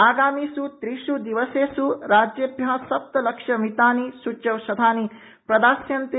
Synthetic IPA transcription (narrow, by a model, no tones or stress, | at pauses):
aːɡaːmiːsut̪ɾiʃud̪iʋɐseːsuɾaːd͡ʒjɐbjɐasɐp̚t̪ɐlɐkʂɐmit̪aːnisut͡ʃɐʋʃɐd̪ʱaːni | pɾɐd̪aːsjɐnt̪